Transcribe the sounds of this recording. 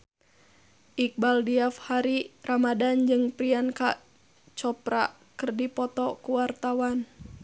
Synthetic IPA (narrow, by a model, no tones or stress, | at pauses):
ʔik̚baldiafhaɾiramadand͡ʒɨŋpɾianka̰ | t͡ʃɔpɾa̰ | kɨrdipɔt̪ɔkuwart̪awan